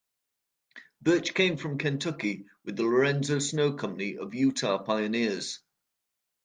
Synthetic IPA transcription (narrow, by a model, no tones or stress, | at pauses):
b̥ɜˑt͡ʃkʰẽɪ̃ɱfɹə̃mkʰɛ̃ntʰʌkiwɪðələɹɛ̃nzoʊsnoʊkʰʌ̃mpəniʔə̰vjʉˑtʰɑːpʰaɪənɪəz̥